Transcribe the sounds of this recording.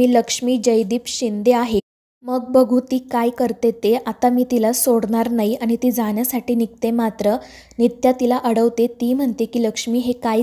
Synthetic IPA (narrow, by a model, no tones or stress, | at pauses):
iːləkʂmiːd͡ʑəjd̪iːpɕind̪eaɦe | məɡ̚bəɡʱuːt̪iːkajkəɾt̪et̪eʔat̪amiːt̪ilasoɽɳaɾnaiaɽ̃it̪iːd͡zaɳjasaʈiːnik̚t̪emat̪ɾə | nit̪jat̪ilaʔəɽəʋt̪et̪iːm̤əɳt̪ekiːləkʂmiːɦeka